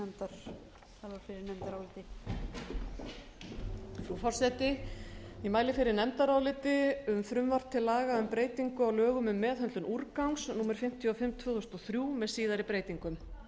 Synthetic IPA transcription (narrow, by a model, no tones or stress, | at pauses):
ɛmt̪aɾ̥ | θavaɾ̥fɪɾɪɾnɛmt̪aɾawlɪt̪ɪ | fɾufɔr̥sɛt̪ɪ | imaːjlɪfɪɾɪɾnɛmt̪aɾawlɪt̪ɪʏmfɾʏmvar̥t̪ʰɪlaːɣaʏmpɾeːjt̪iŋkʏawlœːɣʏmʏmːɛːðɦœnt̪lʏnʔuɾkawŋsnuːmɛɾ̥fɪm̥t̪ʰjɔfɪmt̪ʰvœːðʏst̪ɔθɾjuːmɛðsiːðaɾɪpɾeːjt̪iŋkʏm